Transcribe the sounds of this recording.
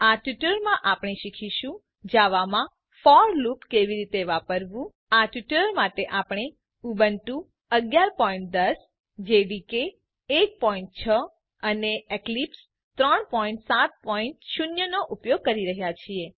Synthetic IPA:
aʈjuʈələɾmãʔapɽ̃eʃikʰiʃũ | d͡ʒaʋamã | fɔɾlupkeʋiɾit̪eʋapəɾʋũ | aʈjuʈələɾmaʈeʔapɽ̃e | ubənʈũ | əɡjaɾpɔiɳʈ̚d̪əs | d͡ʒeɽikeː | k̚pɔiɳʈ̚t͡ʃʰə | əneeklips | t̪ɾəɳpɔiɳʈsat̪̚pɔiɳʈʃunjənoʔupjoɡ̚kəɾiɾəɦjat͡ʃʰie

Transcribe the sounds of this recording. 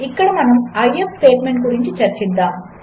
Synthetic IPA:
ikːɐɽɐmɐnɐmɐjepsʈe̞ːʈmeɳʈkuɾiɲt͡ʃut͡ʃɐɾt͡ʃind̪aːm

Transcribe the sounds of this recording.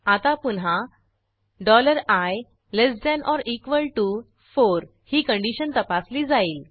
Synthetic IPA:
at̪apunɦa | ɖɔləɾaj | lesd̪ɛnʔɔɾikʋəlʈu | foɾ | hiːkə̃ɳɖiɕənt̪əpasliːd͡zaiːl

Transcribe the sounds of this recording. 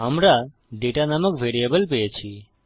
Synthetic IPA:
əmɾa | ɖeʈanaməkʋeɾijəbəlpet͡ʃʰi

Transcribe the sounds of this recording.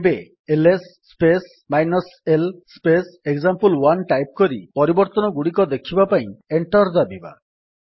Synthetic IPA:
be | elesːpes | majnɔselspeseɡzampulwanʈajp̚kɔɾipɔɾibɔɾt̪ɔnɔɡuɽik̬ɔd̪ekʰibapaĩeɳʈɔɾd̪abiba̰

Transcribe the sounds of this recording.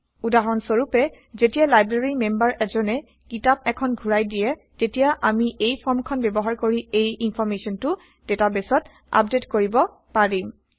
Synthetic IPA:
udaɦɔnsoɹupɛ | zetijalajbɹaɹimembaɹʔɛzɔnɛ | kitap̚ɛkʰɔnɡʱuɹajdijɛ | tetijaʔamiʔejpʰɔɹmkʰɔnbɛbɔɦaɹkoɹiejinpʰɔɹmesɔntʊ | detabesɔt | a̰p̚detkoɹibɔ | paɹim

